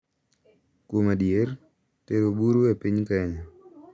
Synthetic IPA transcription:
kwomadjer | teɾobuɾuepiɲkɛɲɔ

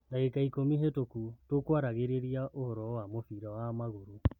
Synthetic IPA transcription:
naekaikomiɦetokutokwaɾaɣeɾeɾiaʔohɔɾɔwamofiɾawamaɣoɾu

